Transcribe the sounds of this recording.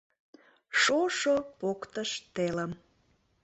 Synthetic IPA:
ʃoʃopokt̪əʃt̪eləm

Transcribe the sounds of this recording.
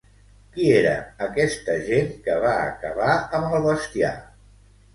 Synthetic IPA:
kieɾə̰ːkɛst̪əʒenkəβ̞aə̰kəβaəməlˠβəst̪ia̰

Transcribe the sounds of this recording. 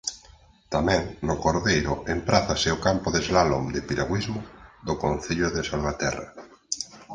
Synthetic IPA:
t̪amɛ̃ŋnokoɾðejɾoempɾaθaseokampoðezlalomd̪epiɾaɣwizmoðokõn̟θiʎoðesalβat̪ɛ̰ra̰

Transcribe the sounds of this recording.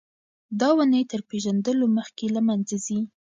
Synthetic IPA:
d̪ɑwunəjt̪əɾpeʒand̪əloməxkelamanzazi

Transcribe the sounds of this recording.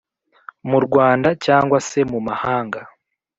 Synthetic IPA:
muɾɡwaːndacaːŋɡwase̞mumahaːŋɡa

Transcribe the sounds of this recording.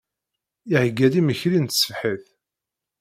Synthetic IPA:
iʕəɡːæðiməçɾint̪sə̥fħəθ

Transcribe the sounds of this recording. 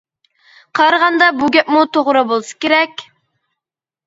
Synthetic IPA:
qʰɑɾʁɑnd̪ɑbuɡʲɛpmut̪ʰoʁɾɑbolˠsɨ̥kʲeɾɛkʲ

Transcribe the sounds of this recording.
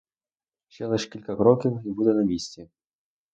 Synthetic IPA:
ɕɛlˠɛʂkʲilʲkɐkɾɔkʲiwibud̪ɛnɐmʲisʲt͡sʲɛ

